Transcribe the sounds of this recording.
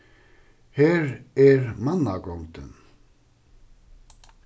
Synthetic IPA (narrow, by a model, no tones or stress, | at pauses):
hɛːɾɛɾmanːakɔwŋt̪ʏ̰n